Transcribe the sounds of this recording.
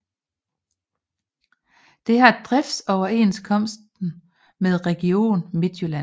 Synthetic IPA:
d̥e̝ɦɑ̈d̥ʁɛfsɒʊɐe̝̰ːnskʰɒ̽m̰sd̥n̩ | með̞ˠʁɛɡ̥io̝̰ːnme̝d̥jolæ

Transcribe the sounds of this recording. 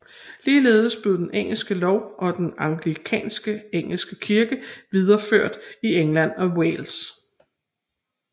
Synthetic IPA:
liːle̝̰ːð̞ˠəsb̥le̝ðˠdenʔeŋ̰l̩sɡ̥əlɒʊʔɒ̽d̥enɑ̈ŋɡ̥likʰɛ̰ːnsɡ̥əeŋ̰l̩sɡ̥əkʰiɐɡ̥əʋið̞ˠɐføɐ̰d̥ieŋlæn̰ɒ̽weːls

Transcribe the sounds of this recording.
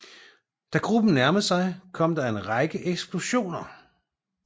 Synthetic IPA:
d̥æɡ̥ʁub̥n̩næɐməsɑ̈ɪkʰɒ̽m̰d̥ɑ̈e̝nʁɑ̈ɪɡ̥əʔeɡ̥sb̥lo̝ɕo̝̰ːnɐ

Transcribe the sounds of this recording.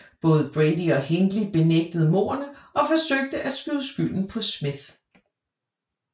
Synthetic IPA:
b̥ɔ̽ːð̞ˠb̥ʁɛɪd̥iɒ̽heŋɡ̥lib̥e̝neɡ̥̚d̥əð̞̩ˠmo̝̰ːɐnəʔɒ̽fɒ̽søɡ̥̚d̥əʔæ̥sɡ̥yðˠsɡ̥yl̰n̩pʰɒ̽smið

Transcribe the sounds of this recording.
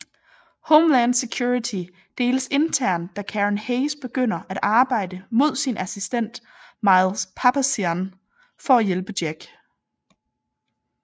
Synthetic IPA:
hɔʊmlæn̥sekʰjuːit͡sʰi | d̥e̝̰ːləse̝nt͡sʰæɐ̰nd̥ækʰæʁənheɪsb̥e̝ɡ̥øn̰ɐʔæɾ̥ɑ̈ːb̥ɑ̈ɪ̰d̥əmo̝ð̞̰ˠsinʔæsisd̥en̰d̥ | mɑ̈ɪlspʰɑpʰæsiæn | fɒ̽æjelb̥əd̥jeɡ̥

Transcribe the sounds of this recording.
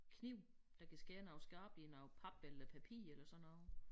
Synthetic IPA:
kʰniʊ̰ | d̥ɑ̈kʰæsɡ̥eːnɑ̈ʊsɡ̥ɑ̈ːb̥linɑ̈ʊpʰɑ̈b̥elɐpʰæpʰḭːelɐsɒ̽nɒðˠ

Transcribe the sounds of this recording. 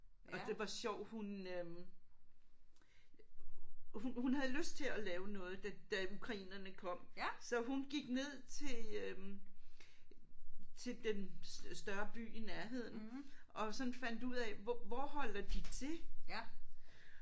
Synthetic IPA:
ʔɒ̽d̥e̝ʋɑ̈ɕɒʊ̰hunøm | hunhunɦæð̩ˠløsd̥̚t͡sʰe̝ɒlɛːʊnɔ̽ːð̞̩ˠd̥æd̥æukʰʁɑ̈ḭːnɐnəkʰɒ̽m̰sɒ̽ɦunɡ̥iɡ̥ne̝ð̞̰ˠt͡sʰe̝øm | t͡sʰe̝ld̥ensd̥ɶɐb̥y̰ːinæɐɦe̝ð̰ˠn̩ʔɒ̽sɒ̽nfæn̰d̥uð̰ˠɛʋʋɒhɒ̽l̰ɐd̥it͡sʰe̝

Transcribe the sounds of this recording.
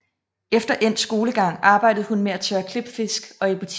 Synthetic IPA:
efd̥ɐʔen̰sɡ̥o̝ːləɡ̥ɑ̈ŋ̰ɑ̈ːb̥ɑ̈ɪ̰d̥ð̩ˠhunmeæt͡sʰœːɐkʰle̝b̥fe̝sɡ̥ɒ̽ebʰot͡sʰ

